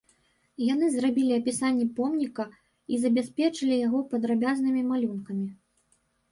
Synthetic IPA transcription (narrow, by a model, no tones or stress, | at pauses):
jan̪ɨzrabʲilʲiɐpʲisanʲːɛpɔmnʲikɐ | izɐbʲasʲpʲɛt͡ʂɨlʲijaɣɔpɐd̪ɾabʲaznɨmʲimalʲunkɐmʲi